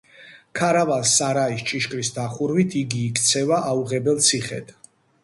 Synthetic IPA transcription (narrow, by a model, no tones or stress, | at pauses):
kʰaɾavalsaɾaist͡ʃʼiʃkʼɾisd̪aχuɾvit̪ʰiɡiːkʰt̪sʰɛvaʔauʁɛbɛlt̪sʰiχɛ̰d̪̥